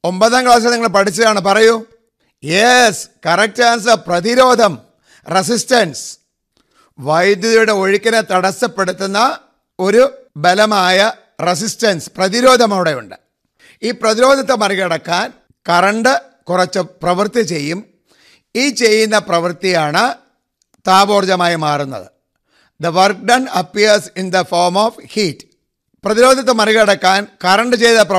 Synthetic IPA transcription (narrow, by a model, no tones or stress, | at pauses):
o̞mbɐðaːŋɡɭaːs̬ɐniŋːɐɭpɐʈit͡ɕːɐðaːɳɨpɐrɐju | jeskɐrɐk̚taːns̬prɐðiɾo̞ːd̪ʱɐm | res̬istɐns | ʋɐjd̪jɐðɐjuɽe̞o̞ɻikʲːɐnet̪ɐɽɐsɐpːe̞ɽut̪ːunːɐ | o̞ɾu | belɐmaːjɐ | res̬istɐnsprɐðiɾo̞ːd̪ʱɐmɐʋiɽe̞jṵɳɖɨ | iːprɐðiɾo̞ːd̪ʱɐt̪̬ːɨmɐrikɐɽɐkːaːn | kɐrɐɳɖɨ | kurɐt͡ɕːɨprɐʋɐrt̪it͡ɕe̞jːum | iːt͡ɕe̞jːunːɐprɐʋɨrt̪ijaːɳɨ | t̪aːbo̞ːrd͡ʑɐmaːjimaːrunːɐ̰ðɨ | d̪ɐʋɐrk̚ɖɐnɐpːiɐrsind̪ɐfoːrmofhiːtː | prɐðiɾo̞ːd̪ʱɐt̪ːɨmɐriɣɐɽɐkːaːnkɐrɐɳɖɨt͡ɕe̞jːnːɐpɐ